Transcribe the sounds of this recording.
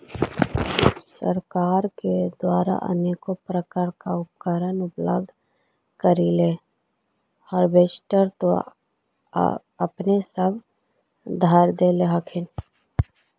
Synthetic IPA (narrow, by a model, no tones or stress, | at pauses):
səɾkaːɾked̪waːɾa̰ʔə̰neːkopɾəkaɾkaʊp̚kəɾənʊplə̰b̚d̪ʱ | kəɾile | həɾbeːsʈəɾt̪o̰ | əpnesəb | d̪ʱaɾd̪eːleɦəkʰɪn